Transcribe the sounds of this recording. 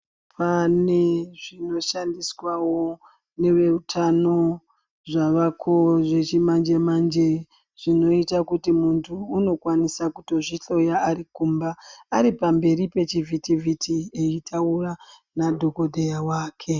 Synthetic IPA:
pʰaneʐino̞ʃandiswawo̞ | ne̞ʋe̞utʰano̞ | ʐaʋakʰo̞ʐe̞t͡ʃimand͡ʒe̞mand͡ʒe | ʐ̥ino̞itakutimuntʰuːno̞kwanisakuto̞ʐit͡ɬo̞jaːɾikumbaːɾipambe̞ɾipe̞t͡ʃivʱitivʱitʰieitʰaura | nadʱo̞ko̞dʱejawaːkʰe̞

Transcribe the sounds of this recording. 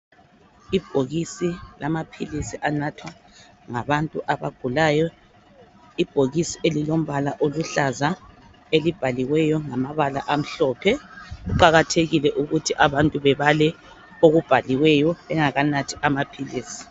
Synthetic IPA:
ib̥ʱoɣisilamapʰilisiʔanatʰwa | ŋaβantʼuʔaβaɡ̥ʱulajɔ | ib̥ʱoɣisielilom̩βalaʔoluɬaza | elib̥ʱaliwɛjɔŋamaβalaʔam̩ɬɔpʰɛɣuǃaɣatʰeɣilɛʔuɣutʰiʔaβantʼuβɛβalɛ | oɣub̥ʱaliwɛjɔβɛŋaɣanatʰi̥ʔamapʰiliːsi̥

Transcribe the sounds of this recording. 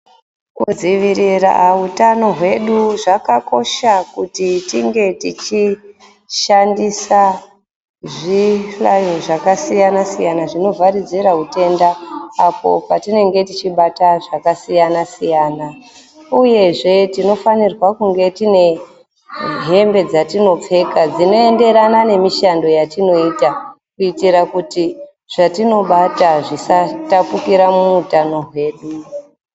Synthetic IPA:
kud͡ziʋirira̰utano̞ɦwe̞ɗuʐakako̞ʃakutitiŋɡe̞tit͡ʃi | ʃandisa | ʐiflajoʐakasijanasijanaʐino̞varid͡ziɾaɦute̞ndaːpo̞̰patine̞ŋɡe̞tit͡ʃiɓataʐakasijanasijaːna | uje̞ʐe̞tino̞fanirwakuŋɡe̞tine̞ | ɦe̞mbe̞d͡zatino̞p͡fe̞kad͡zino̞e̞nde̞ɾanane̞miʃando̞jatino̞ita | kuitiɾakuti | ʐ̥atino̞ɓataʐisatapukiɾamuːtano̞ɦwe̞ɗu

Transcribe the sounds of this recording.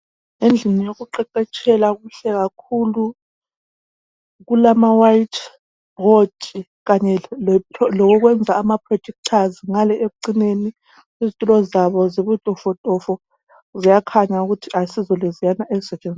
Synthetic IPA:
end͡ɮʱinijoɣuǃɛǃɛt͡ʃʼʰɛlaɣuɬɛɣakʰulu | ɣulamawaitʰ | b̥ɔdi | ɣaɲɛɔlɔɣ̬ɔɣ̬wɛnd͡zʱaːmapʰrɔd̥d͡ʒ̥ʱɛk̚tʰaziŋalɛʔeuǀineni | izitʼulɔzaβɔziβutʼɔfɔtʼɔfɔ | zijakʰaɲauɣutʰiʔasizɔlezijanaʔezisɛt͡ʃʼɛnd͡zʱi

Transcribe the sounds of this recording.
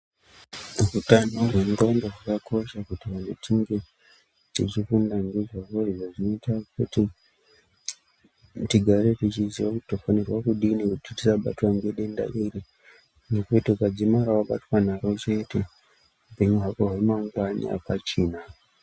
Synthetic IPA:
rutanorwenɡandaʐakako̞ʃakutiʋanetʰiŋɡe̞ | tit͡ʃifundaŋɡeʐwakoriʐoʐino̞itakuti | tiɡʱaɾe̞tit͡ʃiziwakuti̥tofanirwakuɗinikutitisaɓa̰twaŋɡeɗe̞nda̰ʔiri | nokutiukad͡zimaɾawaɓa̰twanaɾo̞t͡ʃe̞te̞ | upe̞ɲuɦakoɦaimauŋɡwanḭa̰pat͡ʃiːna

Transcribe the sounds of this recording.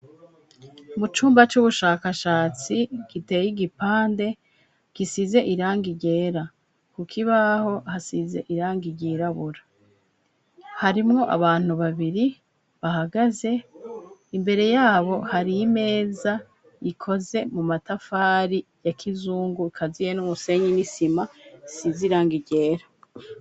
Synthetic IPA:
mut͡ʃuːmbat͡ʃuβuʃaːkaʃaːt͡siɡ̥ite̞jiɡipaːnde̞ | ɡ̥isize̞ʔiɾaːŋɡiɟe̞ːɾa | kukʰiβaho̞hasize̞̰ʔiɾaːŋɡiɟiːɾaβuɾa | haɾimŋo̞ʔa̰βaːn̥uβaβiɾi | βahaɡaze̞ | imbe̞ɾe̞jaːβo̞haɾime̞ːza | ikʰo̞ze̞mumatafaːɾijakʰizuːŋɡuikʰazijenumuse̞ɲinisimaisiziɾaːŋɡiɟe̞ːɾa

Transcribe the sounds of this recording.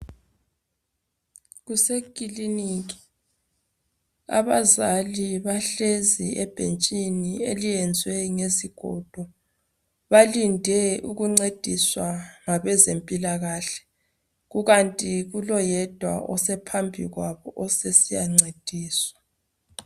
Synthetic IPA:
ɣusekʼilinikʼi̥ | a̰βazaliβaɬeziɛb̥ʱent͡ʃʼinielijɛnd͡zʱwɛŋeziɡ̥ʱɔ̰d̥ʱɔ | βalindʱɛuɣuŋ͡ǀed̥ʱiswaŋaβɛzempʼilaɣaɬɛ̥ | ɣuɣantʼiɣulɔjɛd̥ʱwa̰ʔɔsɛpʰambʱiɣwaβɔʔɔsesijaŋ͡ǀed̥ʱiːswḁ

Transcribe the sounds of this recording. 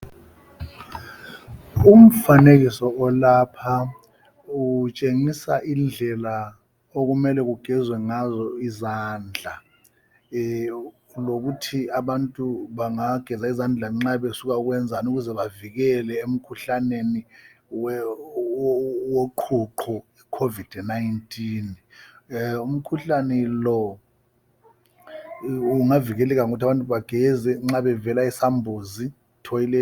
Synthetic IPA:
um̩fanek̬isɔʔɔlapʰa | ut͡ʃʼeŋisa̰ʔind͡ɮʱɛla | ok̬umɛlɛk̬uɡ̥ʱɛzwɛŋazɔizaːnd͡ɮʱa | lok̬utʰiaɓantʼuɓaŋaɡ̥ʱɛzaizand͡ɮʱaŋ͡ǁaɓesuk̬auk̬wɛnd͡zʱanuk̬uzɛɓavik̬ɛlɛem̩kʰuɬaneniwɛ | woǃʰuǃʰɔ | ikʰovid̥ʱnajntʼiːn | um̩kʰuɬanɛlɔ | uŋavik̬ɛlɛk̬aŋ̬utʰaɓantʼuɓaɡ̥ʱɛzɛŋ͡ǁaɓɛvɛlaisambʱozi | tʰɔjilɛ

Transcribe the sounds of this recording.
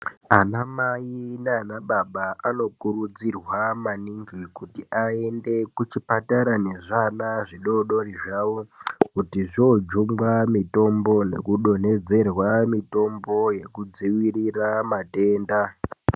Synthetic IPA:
anamaineanaɓaɓaano̞kuɾud͡zirwamaniŋɡikutiʔae̞nde̞kut͡ʃipataɾaneʐanaʐiɗo̞ɗo̞riʐawokutiʐod͡ʒumɡamito̞mbo̞ne̞̰kuɗo̞ne̞d͡ze̞rwamito̞mbo̞je̞kud͡ziʋiriramate̞ːnda

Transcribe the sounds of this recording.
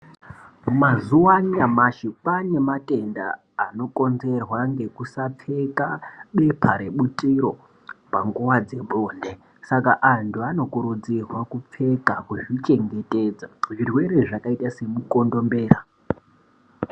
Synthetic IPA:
mumazuwaniamaʃipane̞matʼe̞nda̰ː | no̞ko̞nze̞rwaŋɡe̞kusap͡fe̞kaɓe̞pʰaɾe̞ɓutʼiɾo̞ | paŋɡuwad͡ze̞bʱoːnde̞ | sakaʔantʰuano̞kuɾud͡zirwakup͡fe̞kakuʐit͡ʃe̞ŋɡe̞tʼed͡zaʐirwe̞ɾeʐakaitase̞muko̞ndo̞mbe̞ːra

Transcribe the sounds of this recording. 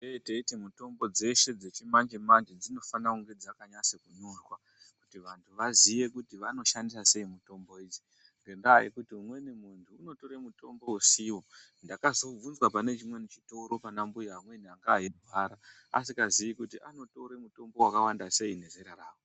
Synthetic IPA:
eteitemuto̞mbo̞d͡ze̞ʃe̞d͡ze̞t͡ʃimaɲd͡ʒemaɲd͡ʒed͡zino̞fanakuŋɡe̞d͡zakaɲasekuɲurwa | ku̥tiʋantʰuʋazije̞kutiʋano̞ʃandisase̞imuto̞mbo̞id͡ʒi̥ | ŋɡe̞ndajḛkutiumwe̞nemuntʰuːno̞to̞ɾemuto̞mbo̞usiwo | ndakazo̞b͡vunzwapane̞t͡ʃimwe̞nit͡ʃi̥to̞ɾo̞panambujamwe̞niaŋɡaːjebʱwaɾa | a̰sikazijikutiʔano̞to̞ɾe̞muto̞mbo̞wakawandase̞ine̞zeɾaraːwo

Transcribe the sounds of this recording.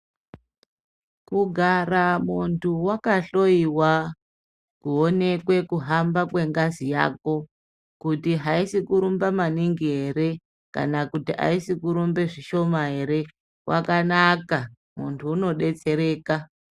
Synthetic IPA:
kuɡʱaramuntʰuwakaɬo̞iwa | kuo̞ne̞kwe̞kuɦambakwe̞ŋɡazija̰ko̞ | kutiɦaisikuɾumbamaniŋɡiɦe̞ɾe̞ | ka̰nakutiʔa̰isikuɾumbe̞ʐiʃo̞maɦe̞ɾe̞ | wʔa̰kanaka | mṵntʰuːno̞ɗe̞t͡se̞ɾe̞ːka

